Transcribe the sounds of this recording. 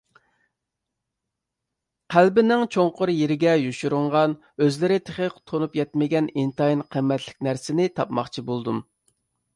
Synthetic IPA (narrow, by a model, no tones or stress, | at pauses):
qʰælbɪnɪŋt͡ʃʰoŋqʊɾjeɾɪɡʲɛjuʃuɾʊɴʁɑn | øzlɪɾɪt̪ʰeχəqt̪ʰonupjɛt̪mɪɡʲɛnint̪ɑjinqʰəmːɛt̪lɪ̥kʲnæɾsɪnɪt̪ʰɑpmɑ̰χt͡ʃʰibolˠd̪um